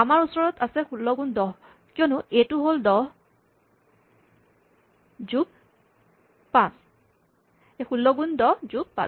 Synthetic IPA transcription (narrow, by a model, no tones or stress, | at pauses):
amaɹusɔɹɔtasɛxulːɔɡundɔɦ | kiɔnʊetuɦoldɔɦ | zub̚ | pãs | exulːɔɡundɔɦzuk̚pã̰s